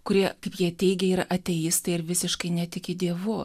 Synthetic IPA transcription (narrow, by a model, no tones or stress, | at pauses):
kʊɾʲiɛkɐɪpjiɛt̪ʲɛɪɡʲɛɪɾɐʔɐt̪ʲɛjist̪ɐɪɪɾʋʲɪsʲɪʃkɐɪnʲɛt̪ʲɪkʲɪd̪ʲiɛʋʊ